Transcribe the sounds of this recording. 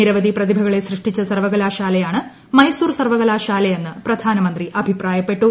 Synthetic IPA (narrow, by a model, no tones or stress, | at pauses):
iɾɐʋɐd̪iprɐd̪ibʱɐɣɐɭesrɨʂʈit͡ɕːɐsɐrʋɐɣɐlaːʂaːlɐjaːɳɨ | mɐjsuːrsɐrʋɐɣɐlaːʂaːlɐjenːɨprɐd̪ʱaːnɐmɐnd̪riʔɐbʱipraːjɐpːe̞ʈːu